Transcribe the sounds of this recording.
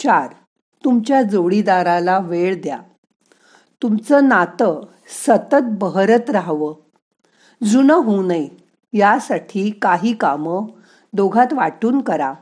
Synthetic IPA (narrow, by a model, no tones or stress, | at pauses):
t͡ɕaɾ | t̪umt͡ɕjad͡zoɭid̪aɾalaʋeɭd̪ja̰ | t̪umt͡səːnat̪ə | sət̪ət̪̚bəɦɾət̪ɾaɦʋəː | d͡zunəɦunəj | jasaʈʰiːkaɦiːkamə | d̪oɡʱat̪ʋaʈuːnkəɾa